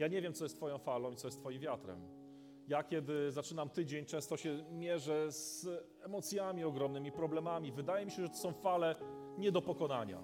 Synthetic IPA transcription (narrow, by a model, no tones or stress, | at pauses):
jaɲɛvʲjɛmt̪sɔjɛst̪fɔjɔ̃w̃falɔ̃w̃itsɔjɛst̪fɔjimvʲjat̪ɾɛ̰m | jakʲɛd̪ɘzat͡ʂɘnamt̪ɘd͡ʑeɲt͡ʂɛ̃w̃st̪ɔɕɛmʲjɛʐɛz̥ | ɛmɔt̪sʲjamʲiɔɡɾɔmnɘmʲipɾɔblɛmamʲivɘd̪ajɛmʲiɕɛʐɛt̪ɔ̥sɔ̃w̃falɛ | ɲɛd̪ɔpɔkɔnaɲa̰